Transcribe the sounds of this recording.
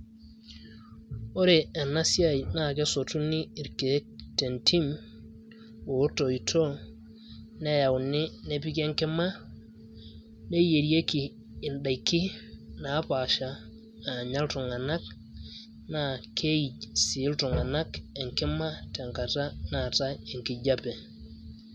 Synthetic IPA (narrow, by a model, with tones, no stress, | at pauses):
o˦ɾe˨e˨na˦si˦a˦jna˦˨ke˦so˨tu˦ni˦i˨ɾke˨˦te˨ntʰi˦m | wo˨˦to˨i˨tʰo˦ | ne˦ja˨wu˨nɪ˦ne˦pi˦ke˦ŋkɪ˦ma˦ | ne˦je˨ɾi˦e˦kiː˨ | nda˨jkːi˦na˨˦pa˨ʃa˨ | a˨ɲa˦ltu˨ŋa˨na˦k̚ | na˦kʰe˦i˨si˨˦ltu˨ŋa˨na˦ke˨ŋkɪ˦ma˦te˨ŋka˨ta˦na˦˨ta˦e˨ŋki˨ɟa˦pe˨